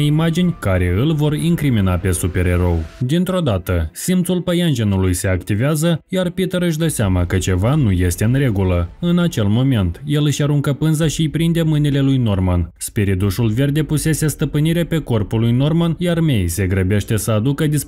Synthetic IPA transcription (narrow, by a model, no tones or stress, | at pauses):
imad͡ʒinʲkaɾe̞ɨlvo̞riŋkɾiminape̞supe̞ɾe̞ɾo̞wd̪int̪ɾo̞d̪at̪əsimt̪sulpəjand͡ʒe̞nulujse̞akt̪iveazəjarpit̪əɾɨʃ̬ʲd̪əseamakət͡ʃe̞vanuje̞st̪e̞ɨnre̞ɡuləɨnat͡ʃe̞lmo̞me̞nt̪je̞lɨʃaɾuŋkəpɨnzaʃijpɾind̪e̞mɨnile̞lujno̞rmanspeɾid̪uʃulve̞rd̪e̞puse̞se̞st̪əpɨniɾepe̞ko̞rpulujno̞rmanjarme̞jse̞ɡɾəbe̞ʃt̪e̞səad̪ukəd̪is